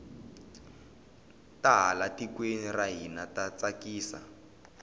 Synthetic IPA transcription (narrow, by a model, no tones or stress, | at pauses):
taɦalatikweniraɦinatat͡sakiːsa̰